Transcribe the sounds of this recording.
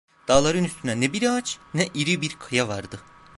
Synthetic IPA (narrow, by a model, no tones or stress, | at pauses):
d̪̥aːlˠaɾɯnyst̪ʰynɛnɛbiɾaat͡ʃnɛʔiɾibiɾkʰɯjavaɾd̪ɯ